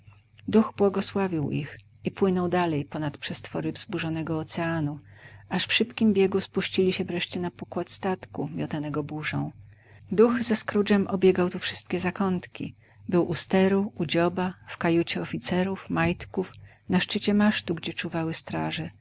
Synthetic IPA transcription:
d̪uɣbwɔɡɔswavʲiwḭx | ipwɘnɔwd̪alɛjpɔnat̪pʂɛst̪fɔɾɘvzbuʐɔnɛɡɔːt̪sɛanuaʂfʂɘpkʲimbʲjɛɡuspuɕt͡ɕilʲiɕɛvɾɛʂt͡ɕɛnapɔkwat̪st̪at̪kumʲjɔt̪anɛɡɔbuʐɔ̰̃w̃ | d̪uɣzɛskɾud͡ʐɛmʔɔbʲjɛɡawt̪ufʂɘ̥st̪̚kʲɛzakɔnt̪kʲḭ | bɘwʔust̪ɛɾuud͡ʑɔbafkajut͡ɕɛɔfʲit̪sɛɾufmajt̪kuf | naʂt͡ʂɘt͡ɕɛmaʂt̪uɡd͡ʑɛt͡ʂuvawɘst̪ɾaʐɛ

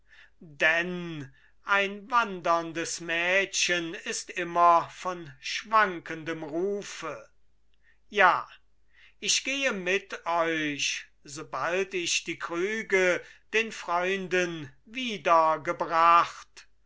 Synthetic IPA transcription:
dɛn | ʔaɪnvandɐndəsmɛːɕənɪstɪmɐfɔnʃv̥aŋkəndəmʁuːfə | jaː | ʔɪɕɡ̥eːəmɪtɔʏʃz̥oːbaltɪʃd̥iːkʁ̥yːɡəd̥eːnfʁ̥ɔʏndənviːdɐɡəbʁaχt

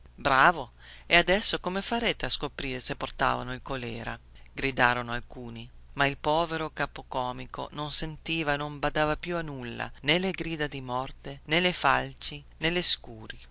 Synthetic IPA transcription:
bɾaːvo | ead̪ɛsːokomefaɾeːt̪easkopɾiːɾesepːort̪a̰ːva̰noilkolɛːɾa̰ɡɾid̪aːɾonoalkuːnimailpɔːveɾokaːpokɔːmiko̰nonsent̪iːvaenombad̪aːvapjuanulːa̰neleɡɾiːd̪ad̪imɔrt̪enelefalt͡ʃi | neleskuːɾi

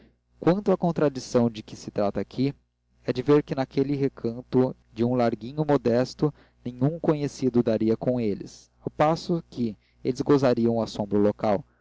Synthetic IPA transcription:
kwɐ̃nt̪ʊɐkõnt̪ɾad͡ʒisɐ̃w̃d͡ʒɪkɪsɪt̪ɾat̪ɐakʰi | ɛd͡ʒɪveɾkɪnakʰelɪɦekʰɐ̃nt̪ʊ | d͡ʒɪũlaɾɡĩɲʊmod̪ɛst̪ʊ | nẽɲũŋkõɲesid̪ʊd̪aɾiɐkõelɪ̰s | awpasʊkɪ | elɪzɡozaɾiɐ̃w̃asõmbɾɐlokaw

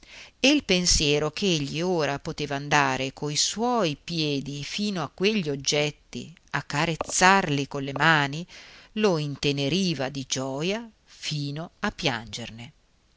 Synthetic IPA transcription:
eilpensjɛːɾokʰeeʎːioːɾapot̪eːvaːnd̪aːɾekʰoiswɔːjpjɛːd̪ifiːnoakːweʎːiod͡ʒːɛt̪ːḭakːaɾet̪sːarlikolːemaːniloint̪eneɾiːvad̪id͡ʒɔːja | fiːnoapːja̰nd͡ʒerne

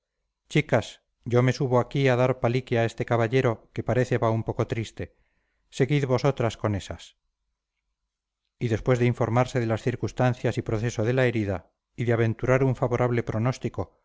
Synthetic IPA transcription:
t͡ʃikas | ɟ͡ʝo̞me̞suβoakiaðaɾpalikiae̞st̪e̞kaβaʎe̞ɾo̞ke̞paɾe̞θe̞βaumpo̞ko̞t̪ɾist̪e̞ | se̞ɣiðβo̞so̞t̪ɾasko̞ne̞sa̰s | iðe̞spwe̞zðeiɱfo̞ɾmaɾse̞ðe̞lasθiɾkust̪an̟θjasipɾoθe̞so̞ðe̞lae̞ɾiða | iðeaβẽ̞nt̪uɾaɾuɱfaβo̞ɾʔaβ̞le̞pɾo̞no̞st̪iko̞

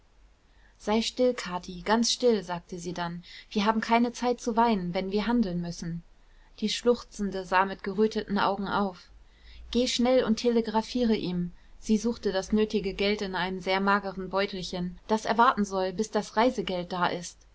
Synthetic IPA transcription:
z̥aɪʃtɪlkʰaːtʰiɡ̥ant͡sʃtɪlzaːk̚təziːdanviːɐɦaːbm̩kʰaɪnət͡saɪt̚t͡suvaɪnənvɛnviːɐɦandl̩nmʏsn̩ | d̥iːʃlʊχt͡sn̩dəzaːmɪtɡ̥əʁøːtʰətn̩ʔa̰ʊɡŋ̩ʔa̰ʊf | ɡ̥eːʃnɛlʊntʰeləɡʁafiːʁəʔiːmz̥iːzuːχtədasnøːtɪɡəɡɛltɪnʔaɪnəmzeːɐmaːɡəʁənbɔʏtl̩çənd̥asʔɛɐvaɐtn̩zɔlbɪsd̥asʁaɪzəɡɛlt̚d̥aːʔɪst

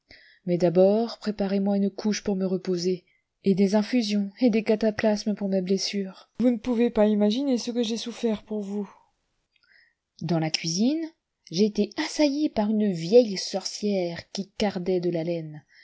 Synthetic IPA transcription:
mɛd̪abɔʁpχepaʁemwaynkʰuʃpuʁməʁəpoze | ed̪ezɛ̃fyzjɔ̃ed̪ekat̪aplasməpuʁmeblesyːʁvunəpuvepaimaʒinesəkəʒesufɛʁpuʁvu | d̪ɑ̃lakʲɥizin | ʒeːt̪easajepaʁynvjɛjsɔʁsjɛʁkʲikaʁd̪ɛd̪əlalɛn

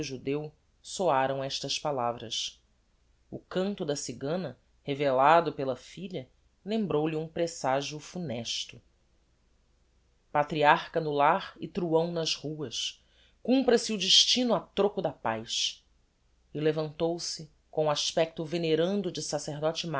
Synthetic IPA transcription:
ʒud̪ew | soaɾɐ̃w̃ɛʃt̪ɐʃpalavɾɐʃ | ʊ̰kɐ̃nt̪ʊd̪ɐsiɡɐ̃nɐ | hevelad̪ʊpelɐfiʎɐ | lẽmbɾowliũpɾesaʒiufunɛʃt̪ʊ | pat̪ɾiaɾkɐnʊlaɾɪt̪ɾuɐ̃w̃nɐzhuɐʃ | kũmpɾɐsɪʊd͡ʒɪʃt͡ʃinʊat̪ɾokʊd̪ɐpajʃ | ɪlevɐ̃nt̪owsɪ | kõũaʃpɛk̚t̪ʊveneɾɐ̃nd̪ʊd͡ʒɪsaseɾd̪ɔt͡ʃɪma

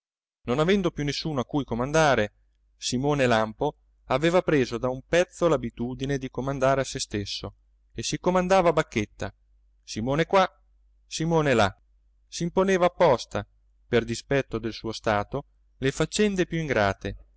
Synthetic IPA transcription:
nonavɛnd̪opjunːesːuːnoakːujkomand̪aːɾe | simoːnelampo | aveːvapɾeːzod̪aumpɛt̪sːolabit̪uːd̪ined̪ikomand̪aːɾeasest̪esːo | esikomand̪aːvabakːet̪ːa | simoːnekwa | simoːnela̰ | siːmponeːvaːpːɔst̪a | perd̪ispɛt̪ːod̪elsuːost̪aːt̪o | lefat͡ʃːɛnd̪epjuiŋɡɾaːt̪e

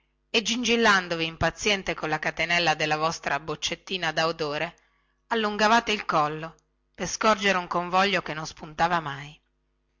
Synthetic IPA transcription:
ed͡ʒːind͡ʒilːand̪oviːmpat̪sːjɛnt̪ekonlakat̪enɛlːad̪elːavɔst̪ɾabot͡ʃːet̪ːiːnad̪aud̪oːɾe | alːuŋɡavaːt̪eilkɔlːo | perskɔrd͡ʒeɾeuŋkoɱvɔʎːokenːonspunt̪aːvamaj

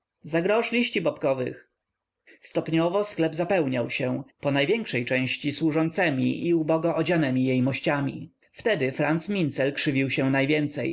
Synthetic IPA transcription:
zaɡɾɔʂlʲiɕt͡ɕibɔpkɔvɘ̰x | st̪ɔpɲɔvɔsklɛbzapɛwɲawɕɛpɔnajvʲjɛŋkʂɛjt͡ʂɛ̃w̃ɕt͡ɕiswuʐɔnt̪sɛmʲḭʔiubɔɡɔʔːd͡ʑanɛmʲijejmɔɕt͡ɕamʲḭ | ft̪ɛd̪ɘfɾant̪smʲint̪sɛlkʂɘvʲiwɕɛnajvʲjɛnt̪sɛj

